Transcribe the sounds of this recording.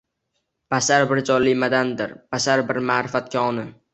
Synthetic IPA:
b̥asaɾbɪɾd͡ʒɒlːɪjmad̪and̪ɪɾb̥asaɾbɪɾmaːɾɪfat̪̚kʲʰaɒnɪ

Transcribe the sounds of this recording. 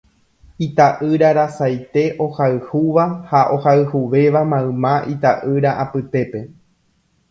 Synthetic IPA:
it̪aʔɨɾaɾasajt̪e̞ʔo̞haɨhuʋahaʔo̞haɨhuʋe̞ʋamãɨ̃mãʔit̪aʔɨɾaʔapɨt̪e̞pe̞

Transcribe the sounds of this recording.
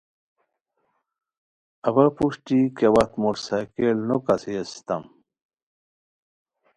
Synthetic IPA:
ɐbɐpuʂʈikewɐt̪muɾsɐkelnokɐsiest̪ɐ̰m

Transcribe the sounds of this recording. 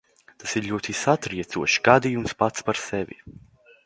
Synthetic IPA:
t̪asiɾʎʲuɔt̪isat̪ɾiɛt̪suɔʃɡad̪ijumspat̪spaɾsɛvʲḭ

